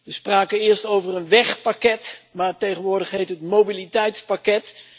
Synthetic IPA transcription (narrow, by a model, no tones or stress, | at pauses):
ʋəspraːkəɪːɹstowvərənʋɛχpakɛtmaːɹtejχənʋʊːɹdəχɦejtɦətmowbilitɛjtspakɛt